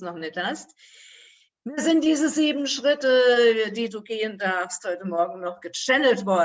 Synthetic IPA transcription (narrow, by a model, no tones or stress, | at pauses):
snɔχnɪçthast | miːɐzɪnt̚d̥iːzəziːbm̩ʃʁ̥ɪtədiːduːɡeːəndaɐfsthɔʏtəmɔɐɡŋ̩nɔχɡ̥ət͡ʃɛnəltv̥ɔɐ